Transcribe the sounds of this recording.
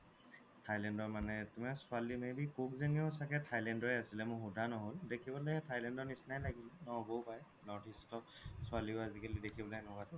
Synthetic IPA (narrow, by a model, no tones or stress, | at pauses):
tʰajlɛndɔɹmanɛtumɛsʊalimebikuk̚zeniɔsakɛtʰajlɛndɔɹɛasilɛmʊxudʱanɔɦoldekʰibɔleɛtʰajlɛndɔɹnisnajlaɡilɛnɔbowpaj | nɔɹtʰistɔsʊaliʊazikelidekʰibɔlaɛnɔkatɛ